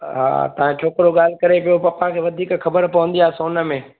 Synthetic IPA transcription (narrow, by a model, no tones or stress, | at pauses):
ɦa̰ːt̪ɐʋ̤ãt͡ʃʰoːkɾoɠaːl̤kɐɾepijopɐpãkʰeːʋɐd̪ʱiːkxɐbəɾpɐʋə̃nd̪ijaːsoːnə̆mẽː